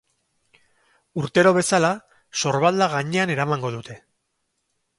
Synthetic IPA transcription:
uɾt̪e̞ɾo̞β̞e̞sala | so̞ɾβald̪aɣ̞aɲe̞ane̞ɾamaŋɡo̞ðut̪ʰe̞

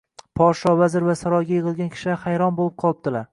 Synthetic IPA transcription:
pʰɒɾʃɒvazɪɾvasaɾɒjɡʲajɪʁɨlˠɡʲankʲʰɪ̥ʃɪahajɾɒnbolɪp̚qʰɒlˠɪp̚d̪ɪlaɾ

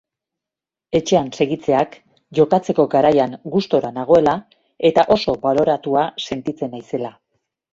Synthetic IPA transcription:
e̞t͡ʃe̞anse̞ɣit͡se̞ak | ʝo̞kat͡se̞ko̞ɡaɾajaŋɡust̪o̞ɾanaɣ̞o̞e̞la | e̞t̪aʔo̞so̞βalo̞ɾat̪uase̞nt̪it͡se̞najse̞la

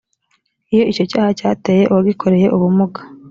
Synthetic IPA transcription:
ijo̞ʔico̞caːhacaːteːje̞ʔuwaɡikʰo̞ɾe̞je̞ʔuβumuɡḁ

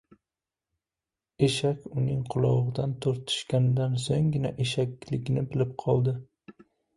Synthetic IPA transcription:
eʃakʲʊnɪŋqʰʊlˠɒʁɨd̪ant̪ʰoɾt̪ʰɪ̥ʃkʲanɪd̪ansoŋɡʲɪnaʔeʃakʲlɪkʲnɪbɪlɪp̚qʰɒlˠd̪ɪ

